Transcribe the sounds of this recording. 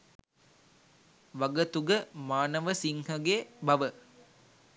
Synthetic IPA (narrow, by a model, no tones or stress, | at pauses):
ʋɐɡət̪uɡəmaːnəʋəsiŋhəɡebɐʋə